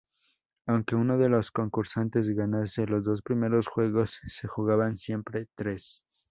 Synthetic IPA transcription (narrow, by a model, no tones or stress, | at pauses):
awŋke̞uno̞ðe̞lo̞sko̞ŋkuɾsant̪e̞z̬ɣanase̞lo̞zðo̞spɾime̞ɾo̞sxwe̞ɣo̞sːe̞xuɣaβansje̞mpɾe̞t̪ɾe̞s